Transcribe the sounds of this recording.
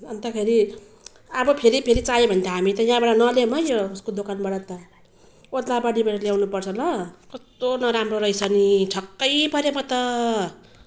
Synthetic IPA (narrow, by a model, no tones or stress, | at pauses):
ʌnt̪ʌkʰeɾi | ʌbʌpʰeɾipʰeɾit͡sajebʱʌnt̪aɦamit̪ʌjãbaɽʌnʌlemʌjouskod̪okanbaɽat̪ʌ | ot̪labaɽibaʈʌljawnupʌrt͡sʰʌlʌkʌst̪onʌɾamroɾʌjt͡sʰʌniʈʰʌkːʌjpʌɾjemʌt̪ʌ